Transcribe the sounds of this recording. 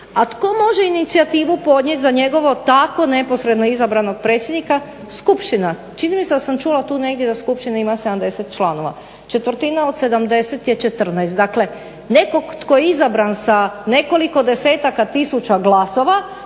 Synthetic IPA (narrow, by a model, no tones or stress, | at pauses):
at̪ko̞mo̞ʒe̞init̪siat̪iːʋupo̞d̪ɲe̞t̪ʲzaɲe̞ɡo̞ʋo̞t̪ako̞ne̞po̞sɾe̞d̪no̞izabɾano̞ɡ̚pɾe̞ːt̪sʲjed̪nika | skupʃt̪ina | t͡ʃinimised̪asamt͡ʃulat̪uːne̞ɡd̪jed̪askupʃt̪inaimased̪amd̪e̞set̪̚t͡ʃlˠano̞ʋa̰ | t͡ʃe̞t̪ʋr̩t̪inaod̪se̞d̪amd̪e̞set̪jet͡ʃet̪r̩nast̪d̪akle̞ | ne̞ko̞ɡt̪ko̞jeizabɾansane̞ko̞liko̞d̪e̞se̞ːt̪akat̪isut͡ʃaɡlaso̞ʋa